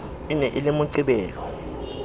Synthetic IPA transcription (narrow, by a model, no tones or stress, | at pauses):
inɛʔilimuǀiɓɛːlɔ